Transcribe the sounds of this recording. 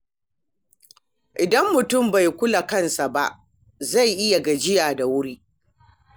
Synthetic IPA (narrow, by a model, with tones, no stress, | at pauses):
ʔɪ˨dɐ˦mːʊ˨tʊ˦˨mba˨jkʷʊ˦la˨kɐ˦nsa˨ba˦ʔ | za˦˨jʔɪ˦ja˨ɡa˨d͡ʒɪ˦jaː˨da˨wʊ˦ɾiː˦